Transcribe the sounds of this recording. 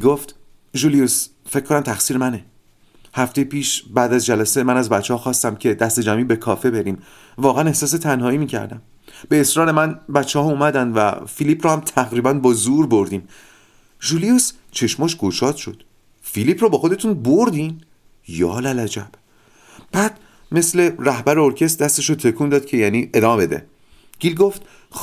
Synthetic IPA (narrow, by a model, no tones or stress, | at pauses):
ɡo̞ft̪ | ʒulijus | fec̚ʰkonæmt̪ʰæxsiːɾemæne | hæft̪ejepʰiːʃbæːd̪æzd͡ʒælæsemænæzbæt̪t͡ʃːehɒːxɒːst̪æmcʰe̞d̪æst̪e̞d͡ʒæmiːbe̞kʰɒːfe̞be̞ɾiːm | vɒːɣææne̞hsɒːs̬e̞t̪ʰænhɒːiːmiːcʰæ̰ɾd̪æ̰m | beːsɾɒːɾe̞mænbæt̪t͡ʃʰːehɒumæd̪ænd̪væ̰filipʰɾɒːhæmt̪ʰæɣɾiːbænbɒːzuɾbo̞ɾd̪iːm | ʒuːlijus | t͡ʃʰe̞ʃmɒːʃɡ̥o̞ʃɒːd̪̥ʃo̞d̪̥ | filipʰɾɒːbɒːxo̞d̪e̞t̪ʰunboɾd̪in | jɒ̰ːlælæd͡ʒæb̥ | b̥æːd̪̥ | me̞sle̞ɾæhbæɾeoɾcʰe̞s̬t̪̚d̪æst̪e̞ʃot̪ʰe̞kʰuːnd̪ɒːd̪̥̚cʰe̞jæːniːʔe̞d̪ɒːmebe̞d̪e̞̰ | ɡ̥iːlɡo̞ft̪